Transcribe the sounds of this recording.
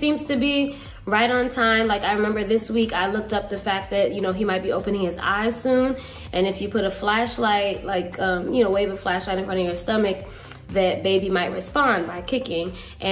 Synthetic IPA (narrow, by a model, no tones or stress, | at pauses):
sĩmz̥tʰɨbi | ɹaɪɾn̩tʰãɪ̃mlaɪkaɪɹɨmɛ̃mbə˞ðɪswikaɪlʊk̚tʌp̚ðɨfæk̚ðɨt̚jɨnoʊimaɪt̚b̥ioʊpɨ̃nɪ̃ŋɨza̰ɪz̥sũn | ʔɨ̃nɨfjɨpʰʊɾəflæʃlaɪt̚laɪkʰʌ̃mjɨnoʊweɪvəv̥flæʃlaɪɾɨ̃nfɹʌ̃ñʌvjə˞stʌmɨk̚ | ðɨt̚b̥eɪbimaɪt̚ɹɨspɑ̃nbaɪkʰɪkɪ̃ŋ | ʔɨ̃